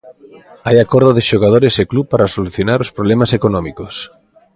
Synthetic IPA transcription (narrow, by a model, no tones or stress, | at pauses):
ajakoɾðoðɪʃoɣ̞að̞oɾeseklupaɾasoluθjonaɾospɾoβlɛmasekonɔ̃mikos